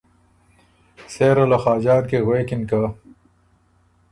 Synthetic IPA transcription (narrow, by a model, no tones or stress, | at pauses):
seːɾolaxaːd͡ʑɑːɾkeɣweːkinka